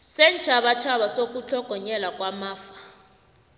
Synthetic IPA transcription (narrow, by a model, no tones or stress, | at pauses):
sɛnt͡ʃʰaɓat͡ʃʰaɓasok̬ʼut͡ɬʰɔɡ̥ʱɔɲɛlakʼwamaːfḁ